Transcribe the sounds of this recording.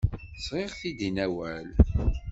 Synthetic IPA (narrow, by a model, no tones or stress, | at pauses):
sʁɪʁθid̪inæwæl